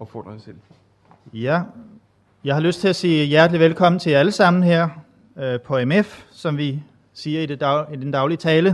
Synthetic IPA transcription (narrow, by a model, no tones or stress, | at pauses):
ɒb̥fɔ̰ːd̥ɑɪsel̰ | jæ | jɑ̈ɪhɑ̈løsd̥t͡sʰe̝æsiːjæɐd̥liʋelkʰɒ̽m̰n̩t͡sʰe̝æləsɑ̈m̰n̩heɐ̰ | pʰɒ̽emefsɒ̽mʋi | siːɐid̥id̥end̥ɑ̈ʊliət͡sʰɛːlə